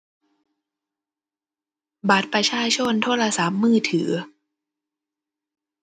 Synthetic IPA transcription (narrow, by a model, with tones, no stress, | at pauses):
ba˨˩t̪̚pɾa˧t͡ɕʰaː˧t͡ɕʰo˧˥˨nt̪ʰoː˧˥˨la˧sa˨˦p̚mɯː˥˩t̪ʰɯː˩˦